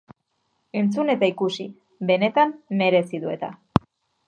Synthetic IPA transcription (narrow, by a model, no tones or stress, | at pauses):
e̞nt͡sune̞t̪aikusi | be̞ne̞t̪amːe̞ɾe̞siðue̞̰t̪a̰